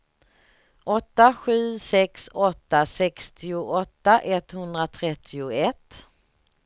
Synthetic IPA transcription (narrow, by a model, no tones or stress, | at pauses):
ʔɔt̪ːaɧʉ̟ːsɛksɔt̪ːasɛkst̪ɪʊʔɔt̪ːaʔɛt̪hɵnd̪ɾat̪ʰɾɛt̪ʰːɪʊɛt̪